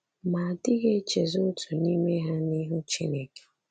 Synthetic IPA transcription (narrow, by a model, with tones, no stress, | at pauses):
ma˨a˨dɪ˦ɣe˦t͡ʃe˨zʊ˦tʰu˨ni˦me˦ɦa˦ni˦ɦʊ˦t͡ʃi˦ne˨ke̥˨